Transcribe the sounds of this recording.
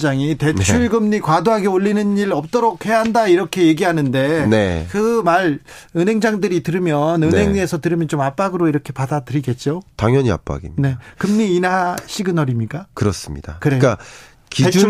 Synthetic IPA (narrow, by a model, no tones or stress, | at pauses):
d͡ʑaŋite̞nt͡ɕʰuɭɡɯmɲikwadoɦaɡeoʎːinɯniɾʌp̚t͈oɾokʰhe̞jaɦandaiɾʌkʰe̞je̞ɡiɦanɯnde̞ne̞̰kɯmaɾɯnɦe̞ŋd͡ʑaŋdɯɾitɯɾɯmjʌnɯnɦe̞ŋɲesʰʌtɯɾɯmjʌnt͡ɕomap͈aɡɯɾoiɾʌkʰe̞padadɯɾiɡe̞t̚t͡ɕ͈otaŋjʌɲia̰p͈a̰ɡḭmne̞kɯmɲiːnaɕ͈ʰiɡɯnʌɾimɲik͈akɯɾʌs͈ɯmɲḭd̥a̰kɯɾeka | kied͡ʑ